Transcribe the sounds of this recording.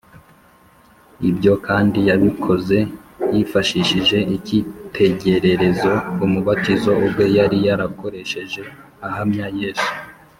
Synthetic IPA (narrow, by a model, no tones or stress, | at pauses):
ibɟo̞kaːndijaβikʰo̞ze̞jifaʃiʃiʒe̞ʔicitʰe̞ɟe̞ɾe̞ɾe̞zo̞umuβatizo̞ub̚ɡe̞jaɾijaɾako̞ɾe̞ʃe̞ʒe̞ | aɦamɲaje̞ːsu̥